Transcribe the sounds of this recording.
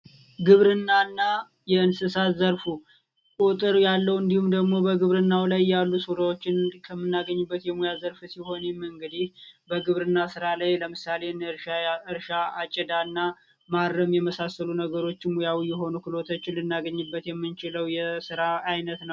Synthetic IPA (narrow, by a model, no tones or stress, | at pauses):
ɡɨβɾɨnːanːa | jɛɨnsɨsazəɾfu | kʼut̪ʼɨɾjalːəwɨnd̪ihumd̪əɡmo̞bəɡɨβɾɨnːawlajːalːusuɾawot͡ʃːɪnkʰəmːɨnːaɡəɲːubːət̪jɛmujazəɾfsiho̞nɛmɨŋɡɨd̪ihbəɡɨβɾɨnːasɨɾalajləmɨsale̞nɨɾaɨɾʃaːt͡ʃʼɛd̪anːa | maɾːəmjɛməsasəlunəɡəɾo̞t͡ʃːɪmojawijːɛɦo̞nukɨlo̞t̪ʰot͡ʃːɪnlɨnːaɡəɲːɨbːət̪jɛmːɨnt͡ʃɪləwjɛsɨɾaːjnət̪nəw